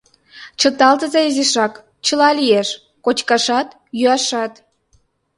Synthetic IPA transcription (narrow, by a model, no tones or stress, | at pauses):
t͡ɕə̆t̪ɑlt̪əzɑizeʃɑk | t͡ɕəlɑlieʃ | kot͡ɕkɑʃɑt̪ | jyɑʃɑt̪